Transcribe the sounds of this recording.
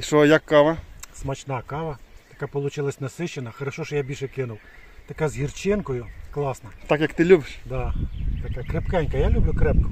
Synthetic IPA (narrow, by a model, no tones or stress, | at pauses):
iʃɔjɐkːɑʋɐsmɐt͡ʃnɑkɑʋɐt̪ɐkapɔlˠʊt͡ʃɪlˠɐsʲnɐsɪʃt͡ʃːenɐxɔɾɐʃɔʃɔjabʲilʲʃɛkɪnʊw | t̪ɐkazɦʲirt͡ʃɪnkɔjʊklˠɑsnɐt̪ɑkjɐkt̪ɪlʲubɪʃd̪ɑt̪ɐkakɾepkɛnʲkɐjalʲublʲʊkɾɛp̚kʊ̥